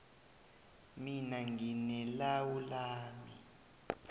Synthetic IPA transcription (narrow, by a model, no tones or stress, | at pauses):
minaŋinɛlawulaːmi